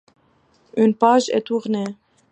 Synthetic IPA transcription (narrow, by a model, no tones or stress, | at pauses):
ynpaːʒɛ̰t̪uʁneː